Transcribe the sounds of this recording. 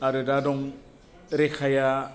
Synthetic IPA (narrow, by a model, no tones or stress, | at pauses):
aɾɯdadɔŋ | ɾekʰaja